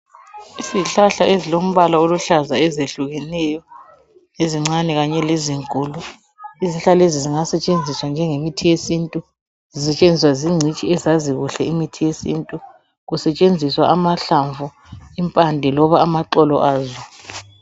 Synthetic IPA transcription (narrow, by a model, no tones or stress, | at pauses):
iziɬaɬaʔezilom̩βalaoluɬazaɛzeɬuɣɛnɛjɔ | neziŋ͡ǀanɛɣaɲɛleziŋkʼulu | iziɬaleziziŋasɛt͡ʃʼend͡zʱiswand͡ʒʱɛŋemitʰijesintʼu | zisɛt͡ʃʼend͡zʱiswaziŋ͡ǀʱit͡ʃʼiɛzaziɣuɬɛimitʰijesintʼu | ɣusɛt͡ʃʼend͡zʱiswa̰ʔamaɬaɱvu | impʼandʱɛlɔβaːmaǃɔlɔʔaːzɔ